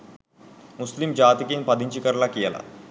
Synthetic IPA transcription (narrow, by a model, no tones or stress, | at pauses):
muslimd͡ʑat̪ikiːnpad̪iɲt͡ɕikəɾlakijɛla̰